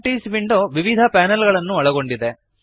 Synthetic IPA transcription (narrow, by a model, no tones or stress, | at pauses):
ʈiːsʋiɳɖoːʋiʋid̪ʱɐpaːnɐlɡɐɭɐnːuɐɭɐɡo̞ɳɖid̪e̞